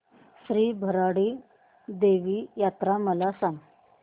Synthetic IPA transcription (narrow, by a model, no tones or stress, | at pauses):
sɾiːbʱəɾaɽiː | d̪eʋiːjat̪ɾaməlasãŋɡ